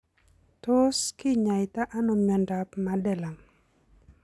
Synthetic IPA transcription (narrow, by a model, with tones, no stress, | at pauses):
to˦skɪ˦ɲa˨jɪta˦ʔa˦no˨mja˨nda˨pmadɛ˨la˨ŋ